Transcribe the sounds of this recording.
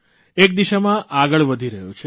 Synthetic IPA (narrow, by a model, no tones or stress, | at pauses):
ek̚d̪iʃamãʔaɡəɭʋəd̪ʱiɾəɦjũt͡ʃʰe